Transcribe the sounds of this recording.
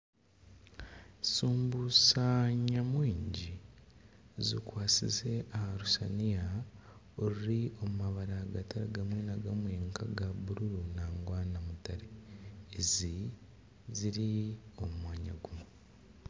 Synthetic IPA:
suːmbusaɲamwiːɲɟi | zikwaːsḭze̞ahaɾusanija | oɾiɾio̞mumaβaɾaɡataɾeɡamwiːnaɡamweːŋkaɡabuɾuɾunaːŋɡwaːnamutaɾeː | zi | ziɾio̞mmmwaːɲa̰ɡume

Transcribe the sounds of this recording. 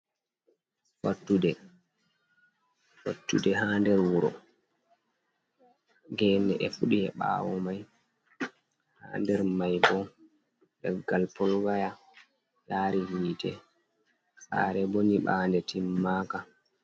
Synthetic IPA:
fatːudɛ | wa̰tːṵdɛɦaːndɛɾwuɾɔ̰ | ɡɛːnɛʔɛfuɗiɛɓa̰ːwɔ̰maj | ha̰ːndɛɾmajbɔ | dɛɾɡalpɔlɡaja | jaːɾihiːtɛ | sa̰ːɾɛboniɓaːndɛtʰimːaːka

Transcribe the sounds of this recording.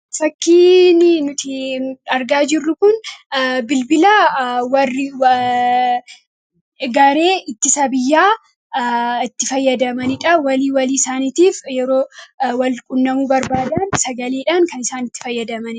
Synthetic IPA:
fɐkːiːnɪnʊt̪ɪɐɾɡaːd͡ʒɪrːʊkʊnbɪlbɪlaːwɐrːɪ | ɡɐɾe̞ːɪt̪ːɪsɐbɪjːaː | ɪt̪ːɪfɐjːɐd̪ɐmɐnɪᶑɐwɐliːwɐliːsaːniːt̪iːfjɛɾoːwɐlkʼʊnːɐmuːbɐɾbaːd̪aːnsɐɡɐleːᶑaːnkɐnɪsaːnɪt̪ːɪ̥fɐjːɐd̪ɐmɐnɪ

